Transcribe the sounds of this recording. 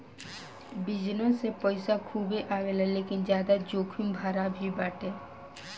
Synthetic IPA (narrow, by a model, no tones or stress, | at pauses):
bɪd͡ʒnõsepɔɪsakʰuːbeʔaːɡeːlaleːkɪnd͡ʒjaːd̪ad͡ʒoːkʰumbʱaːɾabʱibaːʈeː